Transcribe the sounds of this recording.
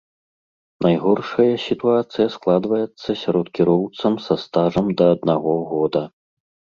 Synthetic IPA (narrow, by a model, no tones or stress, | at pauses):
najɣɔrʂɐjɐsʲit̪uat̪sɨjɐsklˠad̪vɐjɛt̪sːɐsʲaɾɔt̪kʲiɾɔwt̪sɐmsɐst̪aʐɐmd̪ɐːd̪naɣɔɣɔd̪ɐ